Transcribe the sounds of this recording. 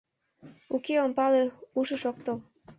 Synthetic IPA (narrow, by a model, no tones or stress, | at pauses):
ukeompɑleuʃəʃokt̪ol